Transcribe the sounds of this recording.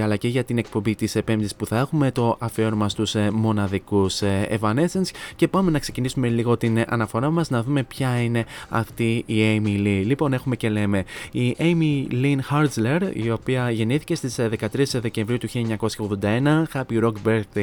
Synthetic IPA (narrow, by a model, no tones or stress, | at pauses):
ɐlɐce̞ʝɐt̪ine̞k̚po̞mbit̪ise̞pe̞mðisi̥spuθɐe̞xume̞t̪o̞ʔɐfeɾomɐst̪usmo̞nɐðikusḛvɐne̞se̞nsce̞pɐme̞nɐkse̞cinisume̞liɣo̞t̪inɐ̰nɐfo̞ɾɐmɐznɐðume̞pçɐine̞ɐft̪iiemililipo̞ne̞xume̞ce̞le̞me̞iʔejmilinxɐɾzle̞ɾḭo̞piɐʝe̞niθice̞st̪isðe̞kɐt̪ɾisðe̞ce̞ɱvɾiut̪uçilɐeɲɐko̞sçɐoɣðo̞nd̪ɐe̞nɐxɐpiɾo̞kbeɾθi